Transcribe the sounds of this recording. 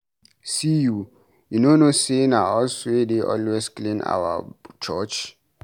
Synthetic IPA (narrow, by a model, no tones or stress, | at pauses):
siju | junonosenaɔlswedeʔɔ̰lwesklẽna̰wa̰t͡ʃɔt͡ʃ